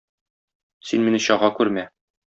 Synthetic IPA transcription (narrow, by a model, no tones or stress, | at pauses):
sinminɘɕɒʁɑkʉɾmæ